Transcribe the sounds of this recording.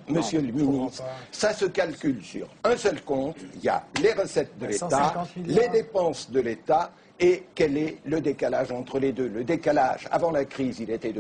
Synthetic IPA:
məsjølminissasəkalkʲylsy̰ʁɛ̃sœlkɔ̃t̪ilja̰leʁəsɛt̪̚d̪əlet̪aled̪epɑ̃sd̪əlet̪a | ekɛlɛləd̪ekalaʒɑ̃t̪χəled̪øləd̪ekala̰ʒa̰vɑ̃lakχizilet̪ɛd̪

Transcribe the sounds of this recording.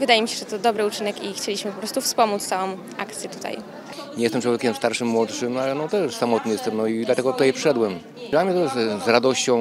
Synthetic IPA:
vɘd̪ajemʲiɕɛʐɛt̪ɔd̪ɔbɾɘut͡ʂɘnɛkixt͡ɕelʲiɕmɘpɔpɾɔst̪ufspɔmut̪st̪awɔ̃w̃ | ʔa̰kt̪sʲjɛt̪u̥t̪ʰa̰j | ɲʲɛjɛst̪ɛmt͡ʂwɔvʲjekʲɛmst̪aɾʂɘmːwɔt̪ʂɘmalɛnɔt̪ɛʂsamɔt̪̚nɨjɛst̪ɛmnɔid̪lat̪ɛɡɔt̪ut̪ajɛpʂɛd̪wɛm | dlamɲɛt̪ɔzɾad̪ɔɕt͡ɕɔ̃w̃

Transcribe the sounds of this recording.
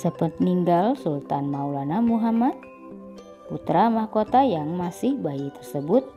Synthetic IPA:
səpət̪̚niŋɡalsult̪anmaulanamuɦamat̪̚ | put̪ɾamahkot̪ajaŋmasɪhbajit̪ərsəbʊt̪̚

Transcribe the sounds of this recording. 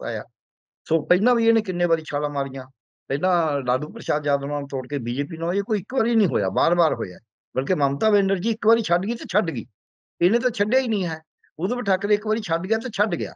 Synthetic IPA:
a̰ːja̰ː | soːpəɪnãːbiːeːnẽːkɪnːẽːbaːɾiːt͡ʃʰaːɽãːmaːɾijãː | pənãːɖaːɖuːpɾəʃaːd̪d͡ʒjaːd̪anãːt̪oːɽkeːbiːd͡ʒeːpiːnãeːkoːiɪkbaːɾiːnĩːɦoːja̰ːbaːɾbaːɾɦo̰ːja̰ː | bəlk̬eːmamt̪aːʋẽːɳɖəɾd͡ʒiːɪkbaːɾiːt͡ʃʰəɖɡiːt̪eːt͡ʃʰəɖɡḭː | ɪnẽːt̪̬ãːt͡ʃʰəɖjaːiːnəĩːɦɛː | ʊd̪bəʈʰaːkːəɾeɪkbaːɾiːt͡ʃʰəɖɡɪjaːt̪̬eːt͡ʃʰəɖɡɪja̰ː

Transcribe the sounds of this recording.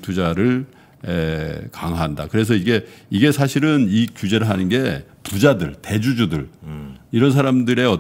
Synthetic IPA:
tud͡ʑaɾɯɭ | ekaŋɦaɦandakɯɾe̞s̬ʰʌiɡe̞iɡe̞sʰaɕʰiɾɯnikjud͡ʑe̞ɾɯɭɦanɯnɡe̞pud͡ʑadɯɭte̞d͡ʑud͡ʑudɯɭiɾʌnsʰaɾamdɯɾe̞ʌ

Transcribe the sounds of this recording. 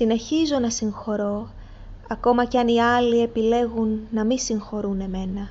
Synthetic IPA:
sine̞çizo̞nɐsiŋxo̞ɾo̞ | ɐko̞mɐceɐniɐlie̞pile̞ɣunːɐmisiŋxo̞ɾune̞me̞nɐ

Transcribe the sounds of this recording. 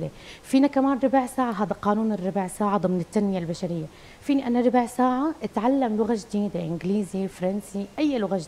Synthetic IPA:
lefiːnakamaːnɾˤɪbʕsaːʕaɦaːd̪aqɑːnuːnɪrˤːɑbʕsaːʕad̪ˤɨmnɪt̪ːanmɪjalbaʃaɾɪjːa | fiːniʔanaɾˤɪbʕsaːʕaʔɪt̪ʕalːamlʊɣaʒd̪iːd̪eʔɪnɡliːzifɑɾˤɑnsiʔajːlʊɣaʒ

